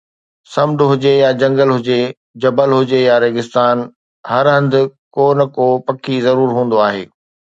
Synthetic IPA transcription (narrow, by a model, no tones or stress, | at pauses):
sɐmɖʊɦʊd͡ʑejad͡ʑɐ̃ŋɡəlɦʊd͡ʑe | d͡ʑɐbəlɦʊd͡ʑejaɾeːɡɪst̪aːn | hɐɾɦɐ̃nd̪ɪ̆koːnkoːpɐkʰizɐɾuːɾɦũːnd̪oaːɦḛː